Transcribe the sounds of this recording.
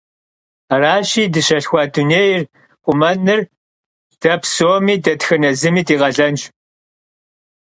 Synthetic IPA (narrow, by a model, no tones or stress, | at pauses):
raːɕiːdɨɕɐɬxʷɑːduneːjr | qʷʼʊmɐnɨr | d̥ɐpsoːmiːdɐtxɨnɐzɨmiːdiːʁɐɮɐnt͡ʃ